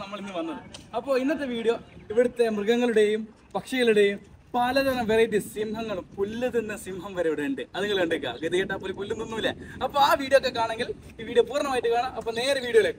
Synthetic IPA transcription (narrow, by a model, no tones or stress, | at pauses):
nɐmːɐɭinːɨʋɐnːɐðɨɐpːoːinːɐt̪ːeʋiːɽjoiʋiɽut̪ːe̞mrɨɡɐŋːɐɭɽe̞jum | pɐkʂɐɣɐɭuɽe̞jumpaːlɐðɐnɐmʋeɾejʈːɨsimhɐŋːɐɭumkulːuðenːɐsimbʱɐmʋɐɾɐjuɽeɳɖɨɐðuŋɡɐɭɐɳɖɨkːa̰ɡeðijɐʈːapolikulːunːunːuʋilːɐɐpːoːaːʋiːɽijokːekaːɳeŋɡil | iːʋiːɽijopuːrɐɳɐmaːjiʈːɨkaːɳɐmɐpːone̞ːɾɐʋiːɽjɐɣɐɭekːe